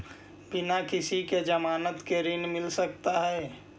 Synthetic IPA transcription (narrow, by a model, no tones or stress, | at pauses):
bɪnakɪsiked͡ʒəmaːnət̪keɾɪnmɪlsəkt̪aɦɛː